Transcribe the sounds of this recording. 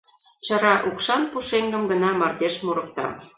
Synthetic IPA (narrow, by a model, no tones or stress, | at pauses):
t͡ɕɑɾɑʔukʃɑnpuʃeŋɡəmɡənɑmɑrd̪eʃmoɾə̆k̚t̪ɑ̰